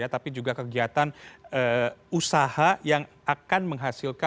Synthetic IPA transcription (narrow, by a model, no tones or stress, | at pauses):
at̪apid͡ʒuɡakəɡiat̪anəusahajaŋʔakanməŋɦasilka